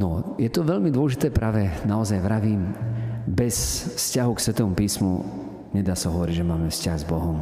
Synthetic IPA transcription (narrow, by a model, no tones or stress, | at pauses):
nɔjɛt̪ɔʋɛʎmid̪ʊɔlɛʒit̪ɛːpɾaːʋɛnaɔzajʋɾaʋiːmbɛsfscaɦuksʋɛt̪ɔːʋɔmpiːsmṵ | ɲɛd̪aːsaɦɔʋɔɾiɟʒɛmaːmɛfscaɣzbɔɦɔm